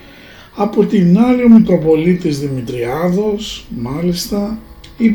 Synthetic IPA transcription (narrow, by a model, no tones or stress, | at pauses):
ɐpo̞t̪inɐliomit̪ɾo̞po̞lit̪izðimit̪ɾiɐðo̞smɐlist̪ɐ | i